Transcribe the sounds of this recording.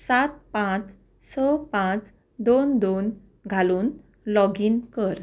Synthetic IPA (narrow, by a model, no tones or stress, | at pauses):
sat̪̚pãt͡s | səpãt͡s | d̪ond̪on | ɡʱaluːn | lɔɡinkəɾ